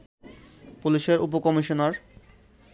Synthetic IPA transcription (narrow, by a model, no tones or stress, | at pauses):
puliʃeɾupokɔmiʃonaɾ